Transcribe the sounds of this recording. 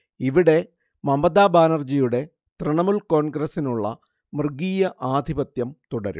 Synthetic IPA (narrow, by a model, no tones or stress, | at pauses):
iʋiɽe̞ | mɐmɐd̪aːbaːnɐrd͡ʑijuɽe̞ | t̪rɨɳɐmulko̞ːnɡɾɐsinuɭːɐ̰ | mrɨɡiːjɐʔaːd̪ʱibɐt̪jɐmt̪uɽɐɾṵ